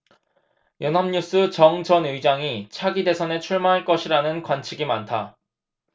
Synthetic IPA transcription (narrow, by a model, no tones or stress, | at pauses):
jʌnɦamɲus͈ɯt͡ɕʌŋd͡ʑʌnɯid͡ʑaŋit͡ɕʰaɡide̞sʰʌne̞t͡ɕʰuɭmaɦaɭk͈ʌɕʰiɾanɯnkwant͡ɕʰiɡimantʰa